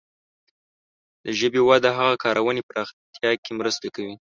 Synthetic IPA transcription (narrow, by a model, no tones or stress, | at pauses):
d̪̥əʒəbewad̪aɦaɣakɑɾʔawənepəɾʔɑxt̪jɑkemɾəst̪akawi